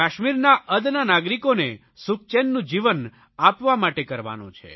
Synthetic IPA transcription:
aʃmiɾnaʔəd̪nanaɡɾikone | suk̚t͡ʃɛnːũd͡ʒiʋən | apʋamaʈekəɾʋa̰nṵ̃t͡ʃʰḛ

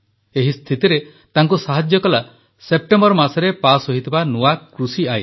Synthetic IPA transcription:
eɦist̪ʰit̪iɾe | t̪aŋkusaɦad͡ʒjɔkɔla | sep̚ʈembɔɾɔmasɔɾepasɦoɦit̪ʰibanuwakɾusiaj

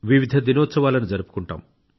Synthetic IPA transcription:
ʋiʋid̪ʱɐd̪inoːt̪sɐʋaːlɐnid͡ʒɐɾupu̥kuɳʈa̰ːm

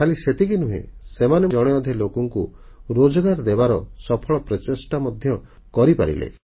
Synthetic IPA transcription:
kʰaliset̪ikinuɦḛsemaneɔɽ̃eɔd̪ʱelokɔŋkuɾod͡ʒɔɡaɾd̪ebaɾɔsɔpʰɔɭɔpɾɔt͡ʃesʈamɔd̪ʱjɔ | kɔɾipa̰ɾḭlḛ

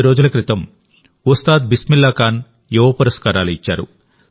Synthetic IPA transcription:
ɾoːd͡ʒulɐkɾit̪ɐm | ust̪aːd̪̚bismilːaːkaːn | juʋɐpɐɾɐskaːɾaːluit͡ʃːa̰ːɾṵ

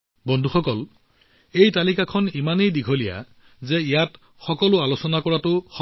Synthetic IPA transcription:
bɔndʱuxɔkɔl | ejtalikakʰɔnimanejdiɡʱolija̰ | zɛijat | xɔkɔlʊalosɔnakɔɹatʊxɔ

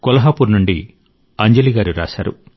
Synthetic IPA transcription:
kɔlɐɦaːpuɾnuɳɖi | ɐɲd͡ʒɐliɡaːɾuɾa̰ːʃa̰ːɾṵ

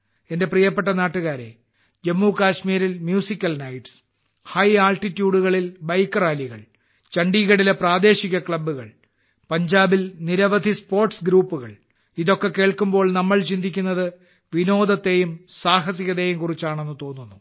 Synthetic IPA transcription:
e̞nde̞prijɐpːe̞ʈːɐnaːʈːuɣaːɾe | d͡ʑe̞mːukaːɕmiːɾilmjuːsikʲːɐlnɐjʈs | hɐjaːlʈitːjuːɽuɣɐɭilbɐjkːɐraːliɣɐ̰ɭ | t͡ɕɐɳɖiːɣɐɽilepraːd̪e̞ːɕiɣɐkɭɐbːuɣɐɭ | pɐɲd͡ʑaːbilniɾɐʋɐd̪ʱispo̞ːrʈsɡɾuːpːuɣɐ̰ɭ | iðo̞kːe̞ke̞ːɭkumbo̞ːɭnɐmːɐɭt͡ɕind̪ʱikʲːunːɐðɨ | ʋino̞ːd̪ɐt̪ːe̞jumsaːɦɐs̬iɣɐðe̞ːjumkurit͡ɕːaːɳe̞nːɨt̪o̞ːnːunːu

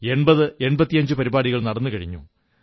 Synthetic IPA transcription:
e̞ɳbɐðɨe̞ɳbɐt̪ːijɐɲd͡ʑɨpɐɾibaːɽiɣɐɭnɐɽɐnːɨkɐɻḭɲːṵ

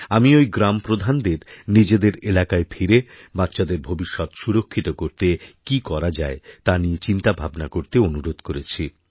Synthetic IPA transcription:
amiojɡɾampɾod̪ʱand̪eɾnid͡ʑed̪eɾelakaefʰiɾe | bat̪ːɕad̪eɾbʱobiʃːɔt̪ʃuɾokʰːit̪okoɾt̪ekikɔɾad͡ʑaet̪aniet͡ɕint̪abʱabnakoɾt̪eonuɾod̪ʱkoɾet͡ɕʰi

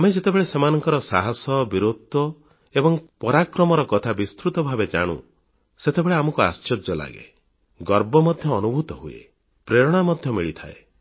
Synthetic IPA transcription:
amed͡ʒet̪ebeɭesemanɔŋkɔɾɔsaɦɔsɔbiɾod̪ʱɔ | ebɔŋpɔɾakɾɔmɔɾɔkɔt̪ʰabist̪ɾut̪ɔbʱabed͡ʒa̰ɽ̃ṵ | set̪ʰebeɭeamɔkua̰st͡ʃɔd͡ʒɔla̰ɡḛ | ɡɔɾbɔmɔd̪ʱjɔːnubʱut̪ɔɦuḛ | pɾeɾɔɽ̃amɔd̪ʱjɔmiɭit̪ʰa̰e

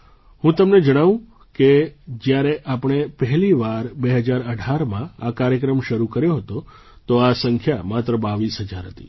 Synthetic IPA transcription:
hũt̪əmned͡ʒəɽ̃aʋũ | ked͡ʒjaɾeʔapəɽ̃epəɦɛliʋaɾbeɦəd͡ʒaɾəɖʱaɾmãakaɾjəkɾəmʃəɾukəɾjoɦət̪o | t̪oasəŋkʰjamat̪ɾəbaʋisɦəd͡ʒaɾɦət̪ḭ

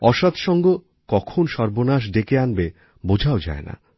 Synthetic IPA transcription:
ɔʃat̪ʃɔŋɡo | kɔkʰonʃɔɾbonaʃ̬d̪ekeanbe | bod͡ʑʱaod͡ʑa̰ena̰

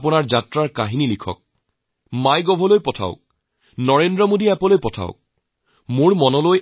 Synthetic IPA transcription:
pʊnaɹzatɹaɹkaɦinilikʰɔ̰k̚ | majɡɔbʱɔlojpɔtʰa̰ʊk̚ | nɔɹendɹɔmodiɛpɔlojpɔtʰa̰ʊk̚ | moɹmɔnɔloj

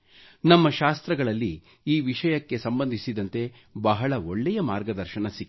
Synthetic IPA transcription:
nɐmːɐʃaːst̪ɾɐɡɐɭɐlːi | iːʋiʂɐjɐkːe̞sɐmbɐnd̪ʱisid̪ɐnt̪e̞ | bɐɦɐɭɐoɭːɛjɐmaːɾɡɐd̪ɐɾʃɐnɐsikː

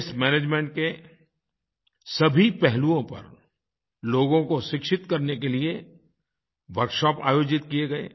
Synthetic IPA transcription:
smɛːneːd͡ʒmẽɳʈ̚ke | sɐbʱipɛɦluõpɐ̰ɾ | loːɡõkoʃɪkʃɪt̪kɐɾnek̬elie | ʋɐɾkʃɔːpa̰ːjoːd͡ʒɪt̪kieɡɐḛː

